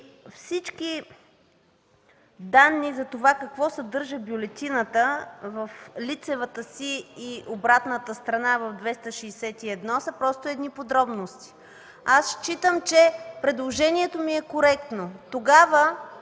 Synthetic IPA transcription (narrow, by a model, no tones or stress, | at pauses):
fsit͡ʃki | d̪anːizɐt̪ovakɐkvɔsɐd̪ɤɾʒəbjʊlɛt̪ʲinət̪əvəflit̪sɛvət̪əsiːʔobɾat̪nət̪əst̪ɾɐnavɐvd̪vɛst̪əʃɛːsɛt̪iɛd̪nɔsəpɾɔst̪oɛd̪nipod̪ɾɔbnost̪i̥ | asʃt͡ʃit̪əmt͡ʃɛpɾɛd̪lˠoʒɛniɛt̪omiɛkoɾɛk̚t̪not̪oɡavə